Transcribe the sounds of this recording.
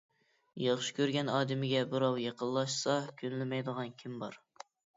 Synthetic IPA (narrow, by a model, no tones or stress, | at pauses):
jɑχʃi̥kʲʰøɾɡʲɛnɑːd̪ɪmɪɡʲɛbɨɾɑwjeqəlˠːɑʃsɑkʲʰynlɪmɛjd̪əʁɑnkʲʰimbɑɾ